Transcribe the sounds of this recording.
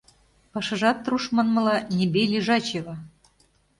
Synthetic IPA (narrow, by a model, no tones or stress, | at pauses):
pɑʃɤ̆ʒɑt̪ːruʃmɤ̆nmɤ̆lɑnʲebelʲiʒɑt͡ɕeβɑ